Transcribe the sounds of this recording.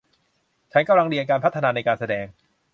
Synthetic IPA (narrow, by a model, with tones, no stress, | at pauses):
t͡ɕʰa˦˥nka˧mla˧ŋdi˧ənkaː˧npʰa˦˥t̪ʰːa˧naː˧na˧jkaː˧nsa˧dɛː˧ŋ